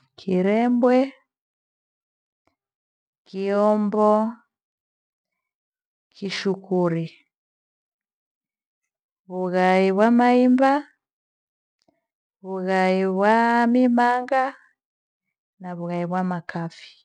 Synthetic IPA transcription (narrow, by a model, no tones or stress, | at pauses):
kʰiɾɛmbwɛ | kiɔmbɔ | kiʃukuɾi | βuɣaiβwamaimba | βuɣaiβwamimaŋɡa | naβuɣaiβwamakafi̥